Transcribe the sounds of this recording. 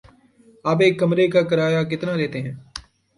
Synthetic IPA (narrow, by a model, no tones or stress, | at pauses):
aːbeːkːəmɾeːkaːkəɾaːjaːkɪt̪naːɾɛːt̪eɦɛ̃ː